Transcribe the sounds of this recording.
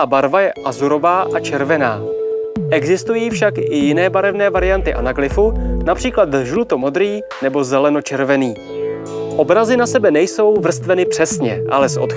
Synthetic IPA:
abaɾvajɛʔazuɾo̞vaːʔat͡ʃɛɾvɛnaːʔɛɡzɪst̪ujiːfʃakʔɪjɪnɛːbaɾɛvnɛːvaɾɪjant̪ɪʔa̰naklɪfunapr̝̥iːklat̪ʒlut̪o̞mo̞d̪ɾiː | nɛbo̞zɛlɛno̞t͡ʃɛɾvɛniː | ʔo̞bɾazɪnasɛbɛnɛjso̞wvr̩st̪vɛnɪpr̥ɛsɲɛʔa̰lɛsʔo̞̰t̪

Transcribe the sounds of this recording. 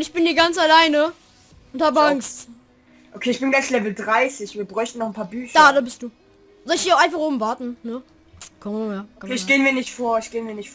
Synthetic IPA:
ʊntɪçb̥ɪnhiːɐɡant͡salaɪnə | ʔʊnthaːbəaŋst | ʔokʰeːɪçb̥ɪnɡlanslɛvl̩dʁaɪsɪçv̥iːɐbʁɔʏçtn̩nɔχn̩pʰaːɐbyːçd̥aːdaːbɪst̚d̥uː | zɔlɪçhiːɐaʊʔaɪnfaχʔoːbm̩vaɐtn̩nə | kʰɔmjaːkeːɪçɡ̥eːənmiːɐnɪçtfoːɐɪçɡ̥eːənviːɐnɪçtf

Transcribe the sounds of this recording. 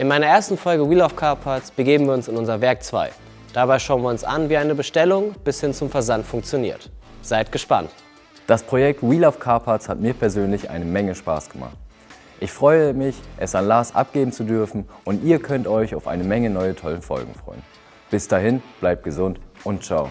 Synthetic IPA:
ʔɪnmaɪnɐʔeːɐstn̩fɔlɡəwiːlaʊfkʰaɐpʰat͡sb̥əɡeːbm̩viːɐʊnsɪnʊnzɐvɛɐk̚t͡sv̥a̰ɪ | d̥abaɪʃaʊənviːɐʊnsʔa̰nviːʔaɪnəbəʃtɛlʊŋb̥ɪshɪnt͡sʊmfɛɐzantfʊŋkt͡sjonḭːɐtz̥aɪtɡ̥əʃpa̰nt | d̥aspʁ̥ojɛk̚twiːlaʊfkʰaːpʰat͡shatmiːɐpʰɛɐzøːnlɪçʔa̰ɪnəmɛŋəʃpa̰ːsɡ̥əma̰χt | ʔɪçfʁ̥ɔʏəmɪçʔɛsanlaːsʔa̰p̚ɡ̥eːbm̩t͡sudʏɐfn̩ʔʊntiːɐkʰœntɔʏçaʊfʔa̰ɪnəmɛŋənɔʏətʰɔlənfɔ̰lɡŋ̩fʁ̥ɔ̰ʏən | b̥ɪsd̥aːɦɪnb̥laɪp̚t̚ɡ̥əzʊntʔʊntt͡ʃaʊ

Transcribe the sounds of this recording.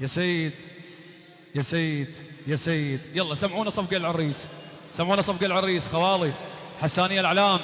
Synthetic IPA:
jasiːd̪ | jasiːd̪jasiːd̪jalˤːɑsamʕuːnasˤɑfɡalʕʊrːiːs | samʕuːnasˤɑfɡalʕɪrːiːsxawɑːliħasːaːnɪjːalʕalaːm

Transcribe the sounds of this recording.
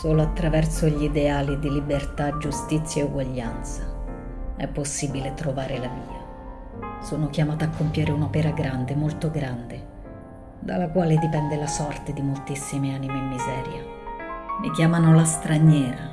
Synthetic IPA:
soːloat̪ːɾavɛrsoʎid̪eaːlid̪ilibert̪ad͡ʒust̪it̪sːjaeuɡwaʎːant̪sa | ɛ̰pːosːiːbilet̪ɾovaːɾelamiːa | soːnokjamaːt̪aːkːompjaːɾeunopɛːɾaɡɾand̪emolt̪oɡɾand̪e | d̪alakwaːled̪ipɛnd̪elasɔrt̪ed̪imolt̪isːimeaːnimeimːizɛːɾja̰ | mḭkjaːmanolast̪ɾaɲːɛːɾa

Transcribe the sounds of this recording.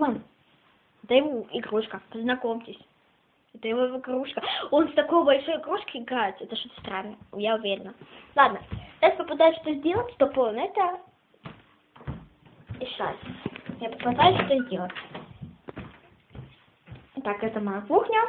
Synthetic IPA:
mam | ɛt̪əjɪvoɪɡɾuʂkəpəznɐkomtʲɪsʲ | ɛt̪əjɪvoɪɡɾuʂkəo̞nst̪ɐko̞jbɐlʲʂojɪɡɾuʂkəɪɡɾaɪt̪ʲɛt̪əʂt̪ot̪ə̥st̪ɾanːəjaʊvʲeɾʲɪnəlˠad̪nət̪asʲpəpɐd̪ajʊʂt̪ozʲdʲelˠətʲt̪oponəɛt̪ə | ɪʂa̰sʲjapəpɐd̪ajʊʃt̪ozʲdʲelˠətʲ | t̪akɛt̪əmanslˠuxnʲə

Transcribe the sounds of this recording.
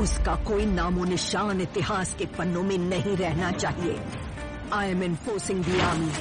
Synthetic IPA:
ʊskakoːinaːmonɪʃaːnɪt̪ɪɦaːskepɐnːõmɪ̃nɐɦĩɾɛɦnat͡ʃaːɦiḛː | aːjmɛnfoːsɪ̃ŋɡbiaːmiː

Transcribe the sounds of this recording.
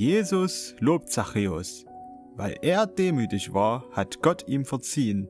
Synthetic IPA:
jeːzʊsloːp̚tt͡saχeːʊ̰s | va̰ɪlʔeːɐdeːmyːtɪçvaːɐhatɡ̥ɔtʰiːmfɛɐt͡siːən

